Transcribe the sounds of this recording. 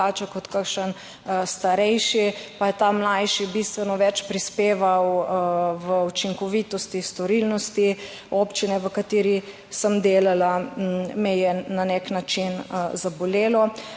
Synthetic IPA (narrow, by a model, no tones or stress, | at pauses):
at͡ʃakɔt̪kakʃən | st̪aɾɛjʃipajɛt̪amlajʃibist̪ʋɛnɔʋɛt͡ʃpɾispeːʋaw | ʋəut͡ʃiŋkɔʋit̪ɔst̪ist̪ɔɾilnɔst̪i | opt͡ʃinɛʋəkat̪iːɾi | səmd̪eːlalamɛjɛnanɛknat͡ʃinzabɔleːlɔ